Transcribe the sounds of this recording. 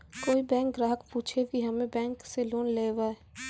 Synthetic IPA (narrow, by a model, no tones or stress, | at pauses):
koːibɛ̃ːŋk̚ɡɾaːɦəkpuːt͡ʃʰekiɦɐmẽbɛ̃ːŋkseloːnleːʋaːɛ